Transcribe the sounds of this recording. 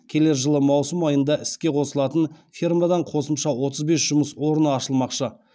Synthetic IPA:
kʲʰe̞le̞ɾʒəlˠəmɑwsəmɑjənd̪ɑʔɪskʲe̞qʰo̞səlˠɑt̪ənfirmad̪ɑɴqʰo̞səmʃɑwo̞t̪əzbe̞sʒ̥ʊməswo̞ɾənəɑʃəlˠmɑqʃə

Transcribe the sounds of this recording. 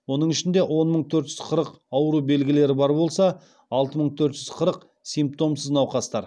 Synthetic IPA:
wo̞nəɴɪʃɪnd̪e̞ʔwʔo̞nməɴt̪ʰɵɾt̪ʒ̥ʏ̥zqʰəɾəq | ɑwɾube̞lɡʲɪle̞ɾɪbɑɾbo̞lˠsɑ | ɑlˠt̪əməɴt̪ʰɵɾt̪ʒ̥ʏz̥qʰəɾəq | sijmp̚t̪o̞msəznɑwqɑst̪ɑɾ

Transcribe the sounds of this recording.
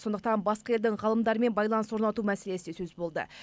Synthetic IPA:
so̞nd̪əqt̪ɑnbɑsqɑje̞ld̪ɪŋʁɑlˠəmd̪ɑɾəme̞nbɑjlˠɑnswo̞ɾnɑt̪umæse̞le̞sɪesɵzbo̞lˠd̪ə̰

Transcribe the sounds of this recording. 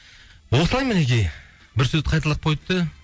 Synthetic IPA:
wosəlˠɑjmɪnekʲej | bɪɾsɵzqʰɑjt̪əlˠəq̚pʰojt̪ːə

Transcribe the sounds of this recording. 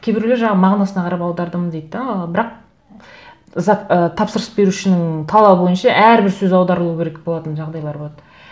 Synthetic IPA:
kʲʰebɪɾleʒɑɴɑmɑʁnɑsənɑqʰɑɾɑpɑwd̪ɑɾd̪əməd̪ejd̪ɪd̪bɪɾɑq̚ | zɑət̪ʰɑpsəɾəsbe̞ɾuʃɪnɪŋt̪ʰɑlˠɑbəbo̞jənʃɑʔæɾbɪɾsɵzɑwd̪ɑɾəlˠuəkʲʰe̞ɾek̚bolˠɑt̪ənʒɑʁd̪ɑjlˠɑɾboɑt̪

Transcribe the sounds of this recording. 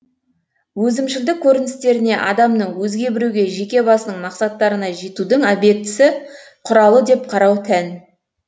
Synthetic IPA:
wɵzɪmʃɪld̪ɪkʲʰːɵɾɪnɪst̪e̞ɾɪne̞ʔɑd̪ɑmnəɴwɵzɡʲe̞bɪɾuɡʲe̞ʒe̞kʲe̞bɑsənəɴmɑqsɑt̪ːɑɾənɑʒit̪ud̪əɴæbe̞p̚t̪ːɪ̥sɪ | qʰʊɾɑlˠəd̪e̞p̚qʰɑɾɑwt̪ʰæn

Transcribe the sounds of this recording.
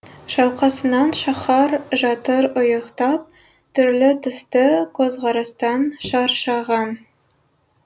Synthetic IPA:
ʃɑlˠqɑsɤ̆nɑnʃɑχɑɾʒɑt̪ɤɾŏjɤ̆qt̪ɑp̚ | t̪ɵ̆ɾlɘt̪ɵ̆st̪ɤkozʁɑɾɑst̪ɑnʃɑɾʃɑʁɑn

